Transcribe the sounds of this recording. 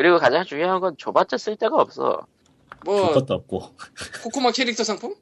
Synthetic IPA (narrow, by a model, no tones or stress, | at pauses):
kɯɾiɡokad͡ʑaŋt͡ɕuŋjoɦanɡʌnt͡ɕobat͡ɕ͈ʌs͈ɯɭt͈e̞ɡaʌp̚s͈ʌ̰ | mʌopat͈ʌp̚k͈okʰokʰumakʰeɾik̚tʰʌsʰaŋpʰuŋ